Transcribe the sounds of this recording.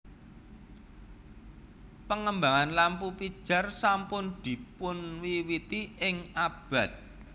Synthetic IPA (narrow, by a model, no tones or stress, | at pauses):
pəŋəmbaŋanlampupid̥ʒ̥a̤rsampʊnd̪̥i̤pʊnwiwit̪iɪŋab̥a̤t̪̚